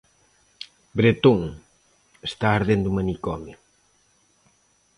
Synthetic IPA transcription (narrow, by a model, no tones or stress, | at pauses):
bɾet̪uŋ | est̪aːɾðend̪umɐnikɔmj